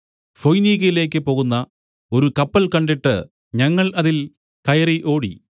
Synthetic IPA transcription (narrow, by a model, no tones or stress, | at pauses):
fojniːɣɐjile̞ːk̬ːɨpo̞ːɣunːɐ | o̞ɾukɐpːɐlkɐɳɖiʈːɨ | ɲɐŋːɐɭɐðil | kɐjɐriʔo̞ːɽi